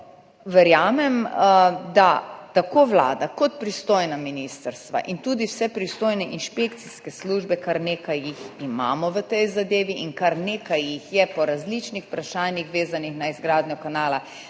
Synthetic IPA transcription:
ʋɛɾjaːmɛm | d̪at̪akoʋla̰ːd̪akɔt̪̚pɾist̪oːjnaminist̪əɾst̪ʋa̰ʔint̪uːd̪iwsɛpɾist̪oːjnɛʔinʃpek̚t̪siskɛsluːʒbɛkaɾneːkajːixima̰ːmɔʋət̪ɛjzad̪eːʋiʔinkaɾneːkajːixjɛpɔɾazlit͡ʃnixpɾaʃaːnjixʋeːzanixnaizɡɾaːd̪nɲɔkanaːla

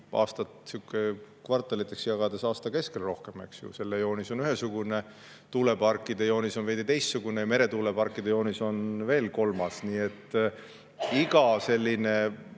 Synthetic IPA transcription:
ʔɑ̰ːst̪ɑt̪sikːˑekvɑrt̪ːˑɑlit̪ːˑe̞ksjɑɡɑd̪e̞sɑːst̪ɑke̞skelro̞hke̞me̞̰ksjṵse̞lːejo̞ːniso̞nyɦesuɡ̥une̞ | t̪uːle̞pɑrkːˑid̪̥ejo̞ːnisonved̪̥it̪e̞jst̪ːsuɡ̥unejɑme̞ɾe̞t̪uːlepɑrkːˑid̪̥ejo̞ːniso̞nve̞ːlko̞lmɑsniːe̞t̪ː | iɡɑse̞lʲːine̞

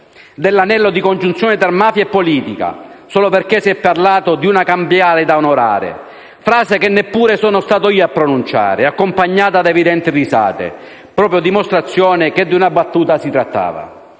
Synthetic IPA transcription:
d̪elːanɛlːod̪ikond͡ʒunt̪sjɔːnɪt̪aɾmaːfjaɛpːoliːt̪ika̰sɔːloperk̟esiɛpːarlaːt̪od̪iunakambjaːlɪd̪aonoɾa̰ːɾɪ̰ | fɾaːzɪkenːepːuːɾesɔːnʊst̪aːt̪oiːapːɾonunt͡ʃa̰ːɾɪakːompaɲːaːt̪ad̪ɛvid̪ɛnt̪irisa̰ːt̪ɪ̰ | pɾɔːpɾjod̪imost̪ɾat̪sːjɔːnɪked̪ːiunabat̪ːuːt̪asit̪ɾat̪ːa̰ːva̰

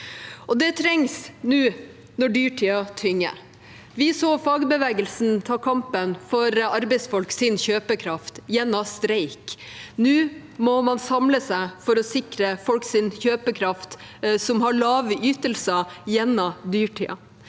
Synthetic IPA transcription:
ʔɔd̪ɛt̪ʰɾɛŋsnʉː | nɔɖyːʈʰiːɑt̪ʰʏŋːə̰ | ʋɪsoːfɑːɡbəʋɛːɡəlsnt̪ʰɑːkʰɑmpənfɔɾɑɾbɛɪsfɔlksɪnçøːpəkʰɾɑft̪jɛnːɑst̪ɾæɪknʉː | mɔmɑnsɑmləsæɪfɔɾɔsɪkɾəfɔlksɪnçøːpəkʰɾɑft̪sɔmɦɑɭɑːʋyːt̪əlsəjɛnːɑd̪yːʈʰḭːɑ̰

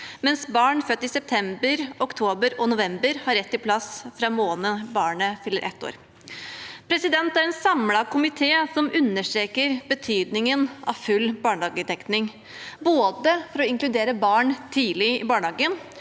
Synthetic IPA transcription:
mɛnsbɑːɳfœt̪ːɪsɛp̚t̪ʰɛmbəɾɔkt̪ʰoːbəɾɔnʊʋɛmbəɾhɑɾːɛt̪ːɪlpʰlɑsfɾɑmoːnəbɑːɳəfʏlːəɾʔɛ̰t̪ːo̰ːɾ | pʰɾɛsɪd̪ɛnt̪æɾɛnsɑmlɑkʰʊmɪt̪ʰeːsɔmʉnːəʂʈ̪ɾeːkəɾbət̪ʰyːd̪nɪŋənʔɑ̰ʋfʉlːbɑːɳɑːɡəd̪ɛknɪŋ | boːd̪əfɔɾɔɪŋklʉd̪eːɾəbɑːɳt̪ʰiːlɪɪbɑːɳɑːɡən

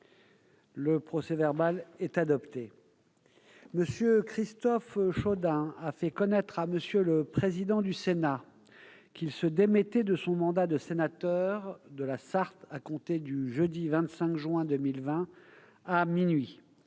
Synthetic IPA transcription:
ləpχɔsɛvɛʁbalɛt̪ad̪ɔpt̪e | məsjøkχist̪ɔfʃod̪ɛ̃afɛkɔnɛt̪χaməsjøləpχezid̪ɑ̃d̪ysena | kʲilsəd̪emɛt̪ɛd̪əsɔ̃mɑ̃d̪ad̪əsenat̪œʁd̪əlasaʁt̪akɔ̃t̪ed̪yʒəd̪ivɛ̃t̪sɛ̃kʒɥɛ̃d̪əmilvɛ̃ | aminɥi

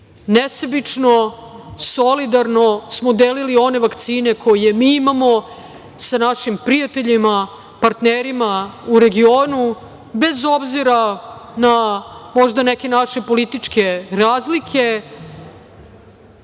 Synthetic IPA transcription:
nesabit͡ʂno | solid̪aɾno̞smod̪elilio̞ne̞ʋakt̪siːne̞kʰo̞je̞miːimamo̞ | sanaʃimpɾijat̪e̞ʎima | paɾt̪neɾimauɾe̞ɡioːnu | be̞zo̞bziɾanamoʒd̪anekʲe̞naʃe̞po̞lit̪it͡ʂke̞ɾaːzlikʰe̞

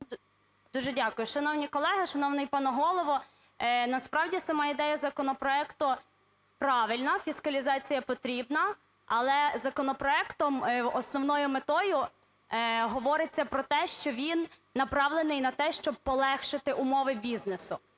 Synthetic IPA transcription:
d̪̥uʒɛdʲakʊjʊʃɐnɔwnʲikɔlˠɛɦɐʃɐnɔwnɪjpɑnɔɦɔlˠɔʋɔ | nɐspɾɑwdʲisɐmɑid̪ɛjɐzɐkɔnɔpɾɔɛkt̪ʊ | pɾɑʋɪlʲnɐfʲiskɐlʲizɑt͡sʲijɐpɔt̪ɾʲibnɐ | ɐlˠɛzɐkɔnɔpɾɔɛkt̪ɔmɔsnɔwnɔjʊmet̪ɔjʊ | ɦɔʋɔɾɪt͡sʲːɐpɾɔt̪ɛʃt͡ʃɔʋʲinː | ɐpɾɑwlˠenɪjnɐt̪ɛʃt͡ʃɔb̚pɔlˠɛxʃɪt̪ɪʔʊmɔʋɪbʲiznesʊ

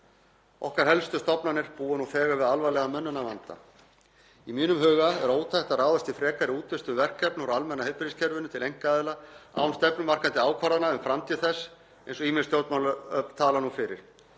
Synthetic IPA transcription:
ɔ̰hkaɾ̥hɛlst̪ʏst̪ɔpnanɪɾ̥puːanufɛːɣavɪðalvajlɛɣamœnːʏnavant̪a̰ | imiːnʏmɦʏːɣaɛɾoːwt̪ʰajht̪araːwðast̪ifɾɛːkaɾɪuːt̪vɪst̪ʏmvɛr̥kːɛɾpnɔɾalmɛnːahejpɪɾiscʰɛɾvʏnʏt̪ʰɪlejŋ̥kaaːðɪlaa̰wnst̪ɛpnʏmar̥kant̪ɪaːwkʰvaɾðanaʏmfɾamt̪ʰiːðθɛsː | ejnsɔimɪnst̪jowt̪malʏœt̪ʰaːlanufɪɾɪ̰ɾ̥

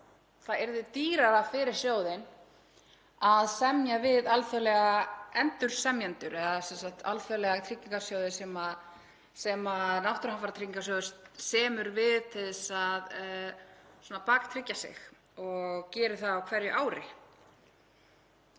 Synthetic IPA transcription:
θaðɛɾðʏt̪iːɾaɾafɪːɾɪɾ̥sjoːwðɪn | aðsɛmjavɪðalfœlɛɣaɛnt̪ʏɾ̥sɛmjɛnt̪ʏɾɛðasɛnsak̚t̪a̰lfœlɛɣat̪ʰɾicːiŋkasjowðɪsɛma | sɛmaðnawht̪ʏɾhafaɾt̪ʰɾiŋkasœðʏ̥st̪sɛːmʏɾvɪðt̪ʰɪðɛsað | sɔːnapaːkt̪ʰɾɪcːasɪ̰x | ɔɣcɛːɾɪθaawkʰvɛɾjʏʔaːwɾɪ

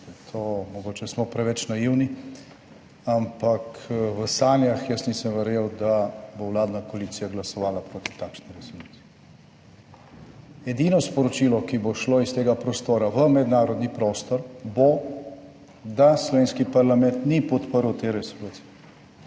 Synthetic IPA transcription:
t̪ʰomɔɡoːt͡ʃɛsmɔpɾɛʋɛt͡ʃnajiwni | ampakʋəsaːnjaxjəsnisəmʋɛɾjewd̪abowlaːd̪nakoaliːt̪sijaɡlasɔʋaːlapɾoːt̪i̥t̪akʃniɾɛsolut̪i̥ɛ | ɛd̪inɔspɔɾɔt͡ʃiːlɔkiboʃloist̪eːɡapɾɔst̪oːɾaʋəmɛd̪naːɾɔd̪nipɾoːst̪ɔɾbo | d̪aslɔʋeːnskipaɾlamɛnt̪nipɔt̪pəɾwt̪eːɾɛsoluːt̪sijɛ

